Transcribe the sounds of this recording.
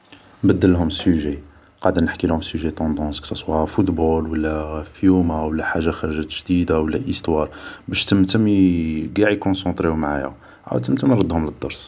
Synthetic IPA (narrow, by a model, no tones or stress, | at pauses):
nbæd̪ːəlːɦʊmsyʒe | qɑʕd̪ənəħkilhʊmsyʒet̪ɑ̃d̪ɑ̃sksæswafut̪bulwəlːæfjumawəlːæħaʒːaxæɾˤʒæt̪ʒd̪id̪awəlːæʔəst̪wɑɾˤbæʃt̪əmt̪əmiɡaʕikɔ̃sɑ̃t̪ɾiumʕa̰jæ̰ | ʕa̰wt̪əmt̪əmɾˤɑd̪hʊmləd̪ːɑɾˤs